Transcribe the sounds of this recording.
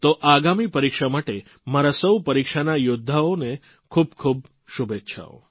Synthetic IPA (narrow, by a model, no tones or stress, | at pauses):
t̪oʔaɡamipəɾikʃamaʈe | maɾasəwpəɾikʃanajʊd̪ʱːaone | kʰub̚kʰub̚ | ʃubetːʃʰa̰o̰